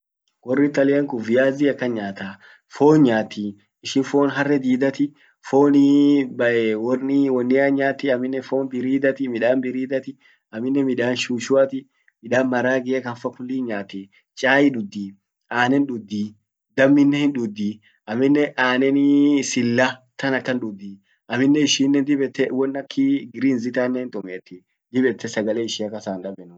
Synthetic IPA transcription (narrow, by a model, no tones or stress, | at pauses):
ɡɔrːɪt̪ɐlɪɐŋkʊvɪjaːziːɐkːɐnɲaːt̪aː | foːnɲaːt̪ːi | ɪʃɪnfoːnɦɐrːɛd̪iːd̪ɐt̪ɪ | foːnɪbɐʔɛwɔnɪwɔnːɪaɲaːt̪ːɪɐmːɪnːɛfoːnbɪɾiːd̪ɐt̪ɪmɪᶑaːnbɪɾiːd̪ɐt̪ɪ | ɐmːɪnːɛmɪᶑaːnʃuːʃʊɐt̪ɪ | mɪᶑaːnmɐɾaːɡɪɛkɐnfɐkʊlːiːɲaːt̪ɛ | t͡ʃʼaːjɪᶑʊd̪ːi | aːnɛnɗʊd̪ːi | d̪ɐmːɪnːɛhɪnᶑʊd̪ːi | ʔɐmɪnːɛʔaːnɛnɪsɪlːat̪ɐnɐkːɐnɗʊd̪ːiː | ʔɐmɪnːɛɪʃiːnːɛnd̪ɪbɛt̪ːɛwɔnːɐkʰːiɡɪɾiːnzɪt̪anːɛɪnt̪ʼʊmeːt̪ːɪ | d̪ɪbɛt̪ːɛsɐɡɐleɪʃiːɐkːɐsaːnᶑɐbɛnʊ